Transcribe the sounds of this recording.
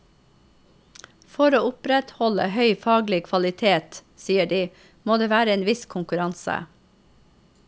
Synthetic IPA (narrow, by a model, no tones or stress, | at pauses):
fɔɾoːʊpɾɛt̪hɔlə̰hœʏfɑːɡlɪkʰʋɑlɪt̪ʰeːt̪ | siːəɖiː | moːd̪eːʋæːɾəeːnʋɪskʰʊŋkʉɾɑnsə̰